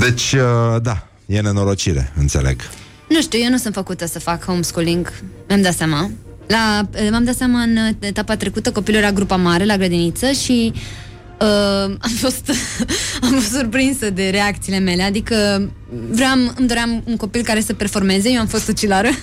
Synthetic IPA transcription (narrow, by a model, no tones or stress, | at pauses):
d̪e̞t͡ʃʲəd̪a | je̞ne̞no̞ɾo̞t͡ʃiɾḛɨnt̪se̞lḛɡ | nuʃt̪uje̞nusɨnt̪fəkut̪əsəfakunskuliŋɡmjamd̪at̪sjamalamjamd̪at̪seamaɨnet̪apat̪ɾe̞kut̪əko̞pilujeɾaɡɾupamaɾe̞laɡɾəd̪init̪səʃi | əamfo̞st̪ | amfo̞st̪surpɾinsəd̪e̞ɾe̞ak̚t̪siːle̞me̞le̞ad̪ikə | vɾeamɨmd̪o̞ɾeamuŋko̞pilkaɾe̞səperfo̞rme̞ze̞jewamfo̞st̪sut͡ʃilaɾə